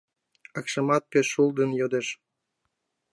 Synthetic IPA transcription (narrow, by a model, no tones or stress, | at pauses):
ɤ̆kʃə̆mɑt̪̚peʃuld̪ə̆njod̪eʃ